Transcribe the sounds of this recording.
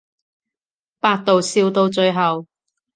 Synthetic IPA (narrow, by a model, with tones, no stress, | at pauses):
paː˧t̚t̪o˨wsiː˧wt̪o˧wt͡ʃɵ˧ɥɦɐ˨w